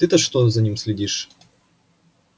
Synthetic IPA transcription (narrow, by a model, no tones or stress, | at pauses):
t̪ɨt̪ɐʂt̪ozɐnʲimsʲlʲɪdʲiʂ